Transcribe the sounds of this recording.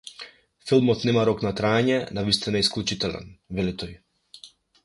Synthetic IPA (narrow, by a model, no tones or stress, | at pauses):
filˠmɔt̪nɛmaɾɔknat̪ɾaɛɲɛnavist̪inaɛisklʲˠut͡ʃit̪ɛlɛ̰nvɛlit̪ɔj